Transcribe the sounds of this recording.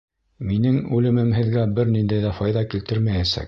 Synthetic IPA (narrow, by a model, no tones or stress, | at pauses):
minɘŋʉlɘ̆mɘmɦɘ̆ðɡæbɘɾnind̪æjðæfɑjðɑkilt̪ɘɾmæjæsæ̰k̚